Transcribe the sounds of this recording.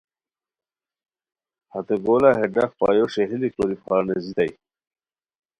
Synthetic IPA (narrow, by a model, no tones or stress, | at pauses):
hat̪eɡolaɦeɖakpɑ̰ːjoʂeɦilikoɾipɑːnezid̪aj